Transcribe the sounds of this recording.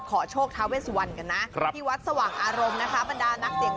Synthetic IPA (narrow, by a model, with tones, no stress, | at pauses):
kʰɔː˩˦t͡ɕʰoː˥˩k̚t̪ʰa˦˥weː˦˥˩su˨˧˩wa˧nka˧nːa˦˥ʔ̪ʰiː˥˩wa˦˥t̪̚sa˧waː˨˩ŋʔaː˧ɾo˧mna˦˥kʰa˦˥ba˧ndaː˧na˦˥k̚di˨˩